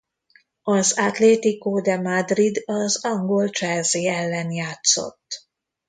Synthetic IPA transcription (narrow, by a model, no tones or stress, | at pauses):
ɒzat̪leːt̪ikoːd̪ɛmad̪rid̪ɒzɒŋɡo̞lt͡ʃɛlziːɛlːɛnjaːt̪so̞̰t̪ː